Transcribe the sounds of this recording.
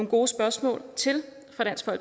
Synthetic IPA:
oŋɡ̥o̝ːsb̥ɶɐsmɔ̰̽ːlt͡sʰe̝l | fʁɑ̈ɾ̥æn̰sɡ̥fɒ̽l̰ɡ̥

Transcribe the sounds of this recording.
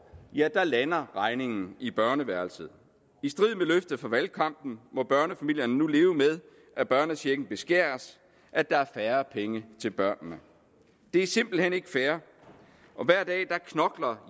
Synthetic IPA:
jæd̥ɑ̈lænɐʁɑ̈ɪne̝ŋn̩ib̥ɶɐnəʋæɐlsəð̩ˠ | isd̥ʁið̞̰ˠmeløfd̥ð̩ˠfɒʋælkʰɑ̈m̰b̥n̩mɒ̽b̥ɶɐnəfæmil̰jɐnənule̝ːʊəmeð̞ˠ | ʔæb̥ɶɐnəɕʰeɡ̥n̩b̥e̝sɡ̥æ̰ːɐs | ʔæd̥ɑ̈æɐfæːɐpʰeŋət͡sʰe̝lb̥ɶɐ̰nnə | d̥e̝æɐse̝m̰b̥l̩hene̝ɡ̥əfæːɐ | ʔɒ̽ʋæɐ̰d̥ɛ̰ːd̥ɑ̈kʰnɒ̽ɡ̥lɐ

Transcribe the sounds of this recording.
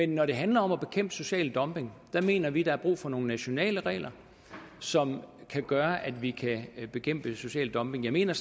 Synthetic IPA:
menːɒɾe̝ɦænlɐɒ̽mæb̥e̝kʰem̰b̥so̝ɕɛ̰ːld̥ɒ̽mb̥e̝ŋd̥ɑ̈me̝̰ːnɐʋid̥ɑ̈æɐb̥ʁṵːfɒ̽no̝ːn̩næɕo̝nɛ̰ːləʁɛ̰ːlɐ | sɒ̽mkʰæɡ̥ɶːɐʔæd̥ʋikʰæb̥e̝kʰem̰b̥əso̝ɕɛ̰ːld̥ɒ̽mb̥e̝ŋjɑ̈me̝̰ːnɐ

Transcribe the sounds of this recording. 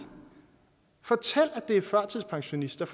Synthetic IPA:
fɒ̽t͡sʰel̰æ̥d̥e̝æfɶɐ̰t͡sʰiðˠpʰɑ̈ŋɕo̝nisd̥ɐf

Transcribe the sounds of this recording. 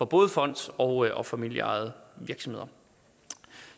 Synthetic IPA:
fɒ̽b̥ɔ̽ːðˠəfɒ̽n̰d̥ɒ̽ʊʔɒ̽fæmil̰jə̰ɑ̈ð̩ˠəʋiɐɡ̥sɒmhe̝ð̰ˠɐ

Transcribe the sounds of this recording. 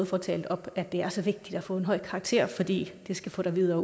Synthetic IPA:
ðˠfɒt͡sʰɛ̰ːld̥ɒ̽b̥æd̥e̝æɐsɒ̽ʋe̝ɡ̥̚d̥id̥æfɔ̰̽ːe̝nɦɒ̽ɪ̰kʰɑ̈ːɡ̥t͡sʰe̝̰ɐ̰fɒ̽d̥ḭːd̥e̝sɡ̥æfɔ̰ːɾ̥ɑʋiðˠɐː

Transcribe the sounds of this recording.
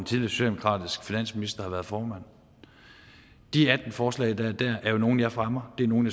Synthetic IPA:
nt͡sʰiðˠliɐsu̥ɛdemokʰʁɑ̰̈ːd̥isɡ̥finæn̰sminisd̥ɐhɑ̈ʋæːɐðˠfɒːmæn̰ | d̥iæd̥n̩fɒːslɛ̰ːɪd̥ɑ̈æɐd̥æɐʔæɐjo̝no̝ːn̩jɑ̈ɪfʁamɐd̥e̝æno̝ːnjɑ

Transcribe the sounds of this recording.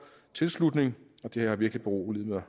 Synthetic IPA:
t͡sʰe̝lslud̥ne̝ŋ | ɒ̽d̥eheɐhɑ̈ʋiɐɡ̥lib̥eʁo̰ːlið̰ˠmɐ

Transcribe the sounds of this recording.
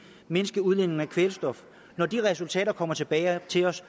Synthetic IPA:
me̝nəsɡ̥əuð̞ˠlen̰e̝ŋ̩ækʰʋelsd̥ɒ̽f | nɒd̥iʁɛsult͡sʰɛ̰ːɾɐkʰɒ̽m̰ɐt͡sʰe̝b̥ɛːɪt͡sʰe̝lɒ̽s

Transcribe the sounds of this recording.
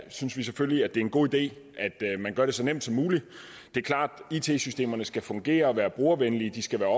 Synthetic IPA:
synsʋis̬efølliæd̥e̝ɐe̝nɡ̥o̝̰ːid̥e̝̰ː | ʔæd̥mænɡɶɐɾ̥e̝sɒ̽nem̰d̥sɒ̽mːuːli | d̥e̝æɐkʰlɑ̰̈ːd̥it͡sʰe̝̰sysd̥e̝̰ːmɐnəsɡ̥æfɔ̽ŋɡ̥e̝̰ːɐɒʋæːɐb̥ʁuɐʋenlid̥isɡ̥æʋæːɐɒ

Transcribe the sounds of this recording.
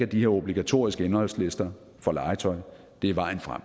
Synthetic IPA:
æd̥iheɐo̝b̥liɡ̥æt͡sʰo̝̰ːisɡ̥əenhɒ̽l̰sle̝sd̥ɐ | fɒ̽lɑ̈ɪt͡sʰɒ̽ɪ | d̥e̝iʋɑ̈ɪ̰n̩fʁa̰m

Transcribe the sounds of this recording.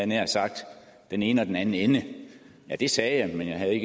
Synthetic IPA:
ð̩ˠneɐ̰sɑ̈ɡ̥̚d̥ | d̥ene̝ːnəɒ̽d̥enænn̩enə | jæd̥e̝sɛːjɑ̈ɪmenjɑ̈ɪɦæð̩ˠe̝ɡ

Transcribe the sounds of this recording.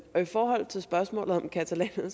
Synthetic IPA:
ɒ̽ifɒːɦɒ̽l̰t͡sʰe̝lsb̥ɶɐsmɔ̰̽ːlð̩ˠɒ̽mkʰæt͡sʰælɛ̰ːnð̩ˠ

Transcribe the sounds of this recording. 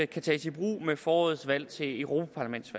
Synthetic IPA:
kʰæt͡sʰɛːsib̥ʁṵːmefɒːɒ̽ːð̩ˠsʋæl̰t͡sʰe̝œʊʁo̝pʰæpʰɑ̈læmend̥sʋæ

